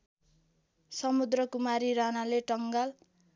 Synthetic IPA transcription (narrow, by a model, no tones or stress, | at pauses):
sʌmud̪rʌkumaɾiɾanaleʈʌŋɡal